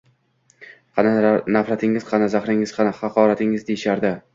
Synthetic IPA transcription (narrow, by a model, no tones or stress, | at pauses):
qʰɑnanafɾat̪ʰɪŋɪz̥qʰɑnazaχɾɪŋɪzqʰɑnahɑqʰɒːɾat̪ʰɪŋɪzd̪ejɪʃaɾd̪ɪ